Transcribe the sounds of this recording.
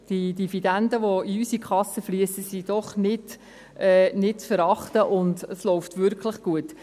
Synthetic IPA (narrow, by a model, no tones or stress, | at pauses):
d̥idifidændəʋɔiysikʰχɑsːəfliəsəsid̥ɔχnɪd | ɛːnɪtt͡sfəɾɑχtəʔʊndəslɔʊftʋʏɾkχləχɡ̥uət